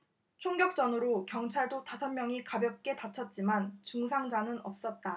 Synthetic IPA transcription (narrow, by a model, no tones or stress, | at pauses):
t͡ɕʰoŋɡjʌk̚t͡ɕ͈ʌnɯɾokjʌŋt͡ɕʰaɭdotasʰʌnmjʌŋikabjʌp̚k͈e̞tat͡ɕʰʌt̚t͡ɕ͈imant͡ɕuŋsʰaŋd͡ʑanɯnʌp̚s͈ʌt̚t͈a